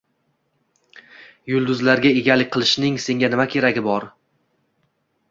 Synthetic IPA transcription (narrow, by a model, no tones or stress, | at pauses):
jʊlˠd̪ʊzlaɾɡʲae̞ɡʲalɪk̚ʲqʰɨlˠɪʃnɪŋse̞ŋɡʲanɪmakʲʰe̞ɾaɡʲɪbɒɾ